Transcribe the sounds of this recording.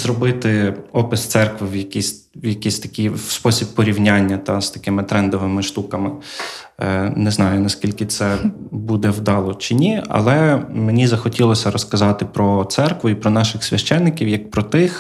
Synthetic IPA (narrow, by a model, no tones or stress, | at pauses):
zɾɔbɪt̪ɪɔpɪst̪sɛrkʋɪwjɐkʲisʲ | wjɐkʲisʲt̪ɐ̥kʲijspɔsʲibːɔɾʲiwnʲanʲːɐt̪ɑst̪ɐkɪmɪt̪ɾɛnd̪ɔʋɪmɪʃt̪ukɐmɪ | nɛznɑjʊnɐskʲilʲkɪt̪sɛbud̪ɛwd̪ɑlˠɔt͡ʃɪnʲiɐ̰lˠɛmenʲizɐxɔtʲilˠɔsʲɐɾɔskɐzɑt̪ɪpɾɔt̪sɛrkʋʊipɾɔn̪ɑʃɪxsʲʋʲɐʃt͡ʃɛnːɪkʲiwjɐk̚pɾɔt̪ɪx